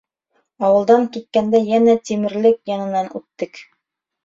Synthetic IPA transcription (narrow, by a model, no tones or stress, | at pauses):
ɑwɤ̆lˠd̪ɑŋkit̪̚kænd̪æjænæt̪imɘ̆ɾlɘkjɑnɤ̆nɑnʉt̪ːɘk